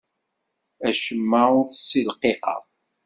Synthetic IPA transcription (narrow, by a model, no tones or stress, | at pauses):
æʃəmːaʊɾθsilqːeqə̰ʁ